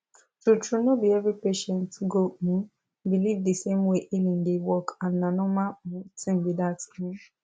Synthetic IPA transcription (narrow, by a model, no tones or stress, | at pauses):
tutɹunobiɛvɹipeʃɛ̃ntʰuɡonĩ | bilivdisẽmweʔilĩndewɔkãnnãnɔ̃mãtʰĩmbidatnĩ